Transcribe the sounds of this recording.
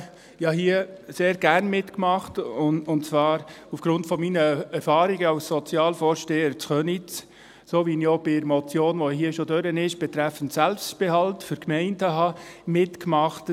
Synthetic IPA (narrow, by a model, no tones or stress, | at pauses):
jɑɦiəseːɾɡ̥æɾnmɪtkmɑχtʊʊnt͡svɑːɾ | ufɡ̥ɾʊntfɔminəɛɾfɑːɾiɡəɑwssɔt͡sjɑːlfɔːɾʃteːəɾt͡sχœnit͡s | soːʋiniob̥ɪɾmɔt͡sjoːnʋɔɦiəʃodøɾənɪʃb̥ɛt̪ɾæfən̩tsælpstb̥eɦɑltfʏɾkmɛɪndəɦɑmɪtkmɑχt